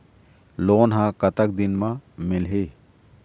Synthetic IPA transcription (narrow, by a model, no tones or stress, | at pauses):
loːnɦãkət̪ək̚d̪ɪnmãmɪlɦeː